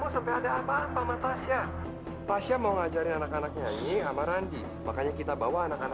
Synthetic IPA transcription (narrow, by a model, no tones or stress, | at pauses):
musampiadaːpapamat̪asia | t̪asiamauŋad͡ʒaɾɪnanakanak̚ɲaɲiamaɾandi | makaɲakit̪abawaːnakana